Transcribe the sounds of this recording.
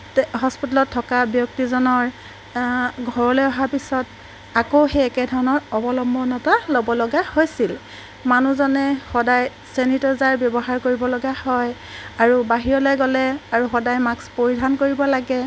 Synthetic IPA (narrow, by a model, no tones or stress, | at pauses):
ɦɔspitalɔtʰːɔkabjɔk̚tizɔnɔɹ | ɡʱɔɹɔlɔjɔɦapisɔt | akoxeɛkɛdʱɔɹɔnɔɹɔbɔlɔmbʱɔnɔtalobɔlɔɡahojsil | manuzɔnɛxɔdaj | senitɔzaɹbjɔbɔɦaɹkoɹibɔlɔɡahɔj | aɹubaɦiɹɔlɔjɡɔlɛaɹuxɔdajmakspoɹidʱankoɹibɔlaɡɛ